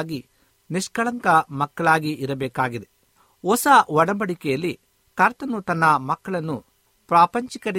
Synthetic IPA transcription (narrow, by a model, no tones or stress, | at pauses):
ɡi | niʂkɐɭɐŋkɐmɐkːɐɭaːɡiʔiɾɐbɛːkaːɡid̪e | ɔsɐʋɐɽɐbɐɽikɛjɐlːi | kɐɾt̪ɐnut̪ɐnːɐmɐkːɐɭɐnːu | pɾaːpɐɲt͡ʃikɐɾi